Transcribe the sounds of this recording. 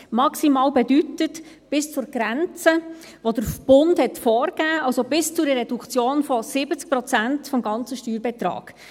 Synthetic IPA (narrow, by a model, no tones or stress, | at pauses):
mɑksimɑːlbɛdytət | b̥ɪst͡sʊɾɡ̥ɾænt͡sə | ʋod̥əɾb̥ʊndhɛtfɔːrɡ̥æːɑlsobɪst͡sʊdərɛdukt͡sjoːnfɔsɪbət͡sk̚pɾɔt͡sæntfɔmɡɑnt͡səʃtyːɾbɛt̪rɑ̰ːɡ̥